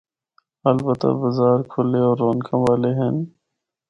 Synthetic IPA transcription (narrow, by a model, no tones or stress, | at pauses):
ɐlbət̪a̰bəzaːɾkʰʊleɔːɾːoːnkʰãʋaːleɦen